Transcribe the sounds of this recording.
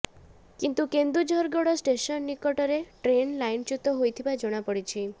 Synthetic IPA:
kint̪ukend̪ɾud͡ʒɔɾɡɔɽɔsʈesɔnːikɔʈɔɾeʈɾenlajnt͡ʃut̪ɔɦojt̪ʰibad͡ʒɔɽ̃apɔɽit͡ʃʰi

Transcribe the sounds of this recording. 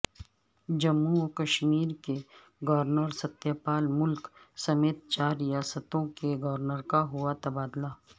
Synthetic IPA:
d͡ʒɐmːuɔkɐʃmiːɾke | ɡɔʋɾnəɾsɐt̪jaːpaːlmʊlksɐmeːt̪̚t͡ʃaːɾːijaːsət̪õkeɡɔːʋɾnəɾkaɦʊat̪ɐbaːd̪laː

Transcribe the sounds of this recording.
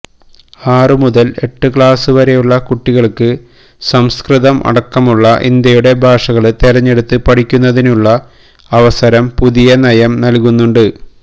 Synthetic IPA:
aːrɨmuðɐle̞ʈːɨkɭaːsɨʋɐɾe̞juɭːɐkuʈːiɣɐɭkːɨ | sɐmskrɨðɐmʔɐ̰ɽɐkːɐmuɭːɐʔḭnd̪jɐjuɽe̞bʱaːʂɐɣɐɭt̪eɾɐɲːe̞ɽut̪ːɨpɐʈikʲːunːɐðinuɭːɐ | ɐʋɐsɐɾɐmpuðijɐnɐjɐmnɐlkunːuɳɖɨ

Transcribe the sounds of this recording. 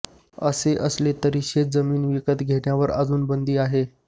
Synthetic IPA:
əseʔəslet̪əɾiɕed͡zəmiːnʋikət̪ɡʱeɽɳjaʋəɾə̰d͡zuːnbənd̪iːaɦe

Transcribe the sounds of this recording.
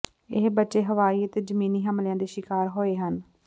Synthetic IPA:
ɪɦbətːʃeːɦəʋaːiːət̪eːd͡ʒəmiːniːɦəmljãːd̪eːʃɪkaːɾɦoːeːɦən

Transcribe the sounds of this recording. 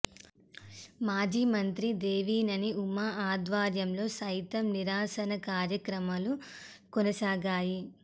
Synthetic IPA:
maːd͡ʒiːmɐnt̪ɾid̪eːʋiːnɐniumaaːd̪ʋaːɾjɐmlo̞ːsɐjt̪ɐmniɾaːsɐnɐkaːɾjɐkɾɐmɐlu | kɔnɐsaːɡaːji

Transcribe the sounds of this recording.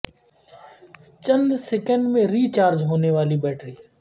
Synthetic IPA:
t͡ʃənd̪sekə̃ɳɖmẽɾiːt͡ʃaːɾd͡ʒɦoːneʋaːlibɛːʈɾiː

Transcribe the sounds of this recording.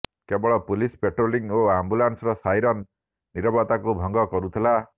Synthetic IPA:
kebɔɭɔpulispeʈɾoliŋoambulansɔɾɔsajɾɔnː | iɾɔbɔt̪akubʱɔŋɡɔkɔɾut̪ʰila

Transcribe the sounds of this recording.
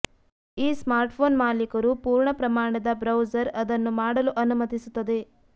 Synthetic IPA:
iːsmaːɾʈpʰoːnmaːlikɐɾupuːɾɳɐpɾɐmaːɳɐd̪ɐbɾɐwd͡ʒɐɾɐd̪ɐnːumaːɽɐluʔɐnumɐt̪isut̪ːɐd̪e̞

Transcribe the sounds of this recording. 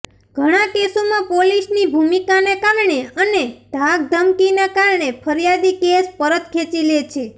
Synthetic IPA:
ɡ̥ʱəɽ̃akesomãpolisnibʱumikanekaɾɳeəneɖ̪ʱaɡ̚d̪ʱəmkinakaɾɳepʰəɾijad̪ikespəɾət̪kʰet͡ʃilet͡ʃʰe

